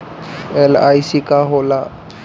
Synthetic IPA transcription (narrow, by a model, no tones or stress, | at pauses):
elaːjsikaɦola